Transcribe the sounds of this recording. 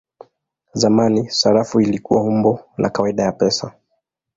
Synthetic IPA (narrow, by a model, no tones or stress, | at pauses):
zamanisaɾafuilikuwahumbɔnʔa̰kawaiɗajapɛsa